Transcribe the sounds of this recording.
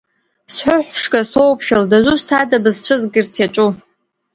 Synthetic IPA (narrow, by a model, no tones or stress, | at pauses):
sħʷʊħʷʂkʼasowpʰʃᶣaldazʷustʰadabɨzt͡ɕʷʰɨzɡɨrt͡sʰaʈ͡ʂʷʼu